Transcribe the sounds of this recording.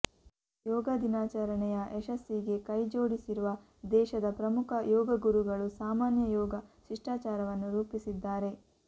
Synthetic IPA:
jɔːɡɐd̪inaːt͡ʃaɾɐɳɛjɐʔɛʃɐsːiɡe̞kɐjd͡ʒoːɽisiɾuʋɐ | d̪ɛːʃɐd̪ɐpɾɐmukʰɐjɔːɡɐɡuɾuɡɐɭusaːmaːnjɐjɔːɡɐʃiʂʈaːt͡ʃaːɾɐʋɐnːuɾuːpisid̪ːaːɾe̞

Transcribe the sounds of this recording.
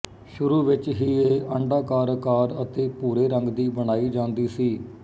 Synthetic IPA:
ʃʊɾuːʋɪt͡ʃɦiːeːʔəɳɖaːkaːɾkaːɾət̪eːpuːɾeːɾəŋɡd̪iːbəɽ̃aːiːd͡ʒãːnd̪iːsiː

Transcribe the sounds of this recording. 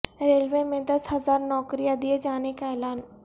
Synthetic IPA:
ɾeːlʋemẽd̪ɐsɦɐzaːɾnɔːkɾijad̪ied͡ʒaːnekaɛːlaːn

